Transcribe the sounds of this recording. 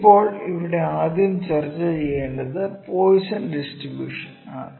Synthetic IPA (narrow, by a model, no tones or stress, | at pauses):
pːo̞ːɭiʋiɽe̞aːd̪jɐmt͡ɕert͡ɕːɐt͡ɕejːeːɳɖɐðɨpoːjisɐlɖisʈribjṵːʂɐnaːɳɨ